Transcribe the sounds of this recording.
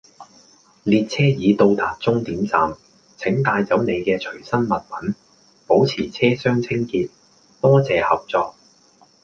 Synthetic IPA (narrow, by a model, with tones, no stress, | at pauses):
liː˧t̚t͡sʰɛː˥jiː˨˧t̪o˧wt̪aː˨t̚t͡sʊ˥ŋt̪iː˨˥mt͡sa̰ː˨m | t͡sʰɪ˨˥ŋt̪aː˧jt͡sɐ˨˥wne˨˧jkɛː˧t͡ʃʰɵ˨˩ɥsɐ˥nmɐ˨t̚mɐ˨˥n | po˨˥wt͡sʰiː˨˩t͡sʰɛː˥sœː˥ŋt͡sʰɪ˥ŋkiː˧t̚ | t̪ɔː˥t͡sɛː˨˧hɐ˨p̚t͡sɔː˧k̚